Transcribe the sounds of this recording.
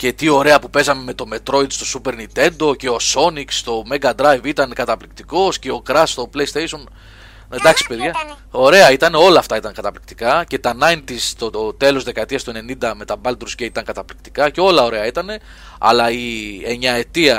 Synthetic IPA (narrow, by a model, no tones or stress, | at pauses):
ce̞t̪io̞ɾe̞ɐpupe̞zɐme̞me̞t̪o̞me̞t̪ɾo̞it̪st̪o̞supe̞ɾnit̪e̞nd̪o̞ce̞o̞so̞nikst̪o̞me̞ɡɐd̪ɾɐjvit̪ɐnkɐt̪ɐplikt̪iko̞sce̞o̞kɾɐst̪o̞ple̞jst̪ejso̞n | end̪ɐksi̥pe̞ðʝɐ | o̞ɾe̞ɐit̪ɐne̞o̞lɐːft̪ɐit̪ɐŋkɐt̪ɐplik̚t̪i̥kɐce̞t̪ɐnɐjnt̪ist̪o̞t̪e̞lo̞zðe̞kɐt̪iɐst̪oene̞nind̪ɐme̞t̪ɐbɐld̪ɾusceit̪ɐŋkɐt̪ɐplikt̪i̥kɐce̞o̞lɐo̞ɾe̞ɐit̪ɐne̞ | ɐ̰lɐieɲɐe̞t̪iɐ